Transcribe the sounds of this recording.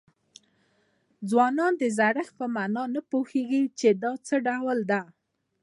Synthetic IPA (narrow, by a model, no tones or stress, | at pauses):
d͡zwɑnɑnd̪əzaɽəxpəmɑnɑnapoheɡit͡ʃed̪ɑt͡səɖawld̪a